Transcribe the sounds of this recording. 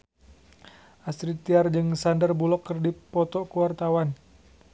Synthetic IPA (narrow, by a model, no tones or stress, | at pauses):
ʔasɾit̪iard͡ʒɨŋsandərbulɔkːərdipɔt̪ɔkuwart̪awan